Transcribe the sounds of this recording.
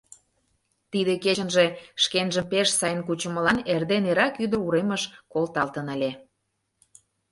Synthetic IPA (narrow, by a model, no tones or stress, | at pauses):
t̪id̪eket͡ɕənʒeʃkenʒəmpeʃsɑjənkut͡ɕə̆mə̆lɑnerd̪eneɾɑkyd̪əruɾeməʃkolt̪ɑlt̪ənəlʲe